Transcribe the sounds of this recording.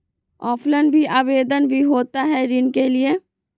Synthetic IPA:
ɔːpʰlənbʱiʔaːʋeːd̪ənbʱiɦoːt̪aɦɛɾɪnkelie

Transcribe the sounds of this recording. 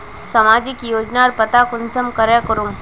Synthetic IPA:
sɐmaːd͡ʒɪkjoːd͡ʒnaɔɾpɐt̪akʊnsəmkɐɾekəɾum

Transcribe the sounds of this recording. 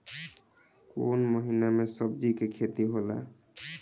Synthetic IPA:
konməɦinamesəb̚d͡ʒikekʰet̪iɦola̰

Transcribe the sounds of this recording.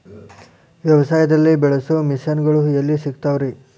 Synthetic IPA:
ʋjɐʋɐsaːjɐd̪ɐlːibɛɭɐsumisjɐnɡɐɭuelːisikt̪aːʋɾi

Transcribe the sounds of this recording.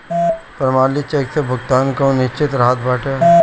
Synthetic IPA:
pɾəmaːlit͡ʃeksebʱʊɡt̪aːnkɐũnɪʃt͡ʃɪt̪ɾaɦət̪̚baːʈe

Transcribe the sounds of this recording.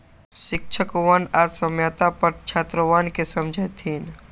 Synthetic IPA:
ʃɪk̚ʃʰəkʋanaːsəmjət̪apɐɾt͡ʃʰaːt̪ɾəʋaːnkesɐmd͡ʒʱəjt̪ʰiːn

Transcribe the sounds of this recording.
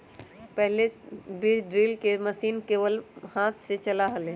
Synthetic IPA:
pɛɦlebid͡ʒɖɾiːlkeməsiːnkeːʋəlhaːt̪ʰset͡ʃɐlaɦəlẽ

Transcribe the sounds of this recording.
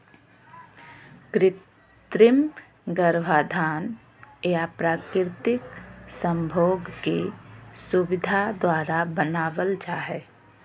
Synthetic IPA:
kɾɪt | t̪ɾɪm | ɡəɾʋaːd̪ʱaːn | eapɾaːkɪɾt̪ɪksə̃mbʱoːɡkesuʋɪd̪ʱad̪waːɾabənaːʋəlt͡ʃaːɦɛː

